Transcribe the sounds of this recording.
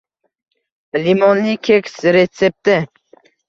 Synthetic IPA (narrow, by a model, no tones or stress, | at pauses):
limɔnːikʲʰekʲsɾet͡s̪ːep̚t̪ɪ